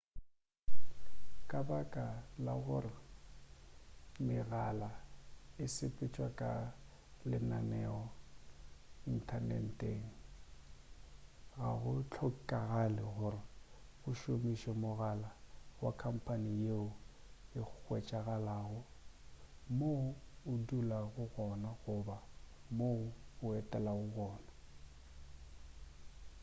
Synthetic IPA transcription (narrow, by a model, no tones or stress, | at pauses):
kʼabakʼalaɣʊrɪ | mɪɣalaɪsɪpʼɪt͡ʃʼwakʼa | lɪnanɛɔ | in̩tʰanɛ̰n̩tʼeŋ̩ | ɣaɣʊt͡ɬʰɔkʼaɣalɪɣʊrɪ | ɣʊʃomiʃɛmʊɣalawakʰam̩pʰʼanijeʊ | ɪk͡xwɛt͡ʃʼaɣalaːɣʊ | moʊdulaɣʊɣɔnaɣʊbamoʊɛtʼɛlaɣʊɣɔːna